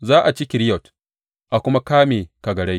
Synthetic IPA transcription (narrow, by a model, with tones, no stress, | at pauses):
zaː˦ʔa˨t͡ʃɪ˦kʲɪ˨ɾɪ˦jɔ˨t | ʔa˨kʷʊ˦ma˦kaː˦meː˨ka˨ɡɐ˨ɽa˦j